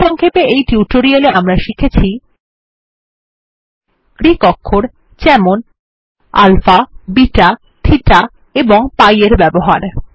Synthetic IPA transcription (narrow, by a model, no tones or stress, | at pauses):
ɔŋkʰepeejʈiuʈoɾialeamɾaʃikʰet͡ɕʰi | kɾikɔkʰːoɾ | t͡ɕɛmon | a̰lfabiʈa | t̪ʰiʈa | eboŋpajeɾbɛboɦaɾ